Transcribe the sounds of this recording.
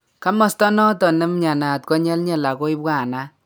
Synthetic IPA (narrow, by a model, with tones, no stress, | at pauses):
ka˦mɔ˨stɔ˦nɔ˦tɔ˨nɨ˦mɲa˨na˨tkɔ˦ɲɛ˦lɲɛ˦la˨ko˦i˦bwa˨na˦